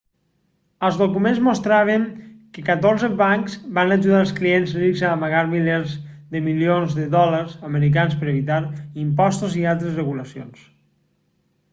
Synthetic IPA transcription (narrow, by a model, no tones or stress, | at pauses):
əlˠzðokumenzmost̪ɾaβ̞əŋkəkat̪oɾzəβaŋkzbanaʒuðalˠsklienzrikzaːmaɣaɾmiljeɾzðəmilionzðəðɔləɾzəməɾik̬anspəɾeβit̪aɾimpɔst̪uzialˠt̪ɾəzrəɣuləsio̰ns